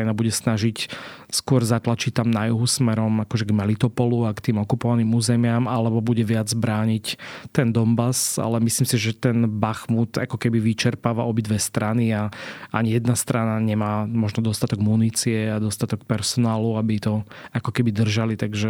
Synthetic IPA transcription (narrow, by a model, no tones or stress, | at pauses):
nabuɟɛsnaʒicskʊɔɾzat̪lat͡ʃic̚t̪amnajuɦusmɛɾɔmakɔʒɛɡmalit̪ɔpɔluakt̪iːmɔkupɔʋaniːmuːzɛmɪamalɛbɔbuɟɛʋɪad͡zbɾaːɲict̪ɛnd̪ɔmbasa̰lɛmisliːmsiʒɛt̪ɛnbaxmut̪a̰kɔkɛbiʋit͡ʃɛɾpaːʋaʔɔbid̪ʋɛst̪ɾaniaʔaɲijɛd̪nast̪ɾanaɲɛmaːmɔʒnɔd̪ɔst̪at̪ɔɡmuniːt͡siɛad̪ɔst̪at̪ɔkpɛɾsɔnaːluabit̪ɔakɔkɛbid̪r̩ʒalit̪aɡʒɛ